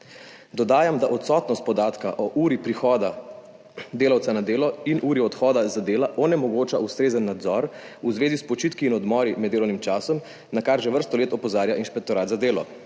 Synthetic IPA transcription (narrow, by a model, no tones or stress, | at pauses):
d̪ɔd̪aːjamd̪aʔɔt̪sɔːt̪nɔst̪pɔd̪aːt̪kaʔɔʔuːɾipɾixɔːd̪a | d̪eːlawt̪sanad̪eːlɔinʔuːɾiɔt̪xɔːd̪azad̪eːlaʔɔnɛmɔɡoːt͡ʃaust̪ɾeːzənːad̪zɔɾuzʋeːzispɔt͡ʃit̪kiːnɔd̪mɔːɾimɛd̪ːeːlɔwnimt͡ʃaːsɔm | nakaɾʒɛʋəɾst̪ɔleːt̪ɔpɔzaːɾjaʔinʃpɛk̚t̪ɔɾat̪zad̪eːlɔ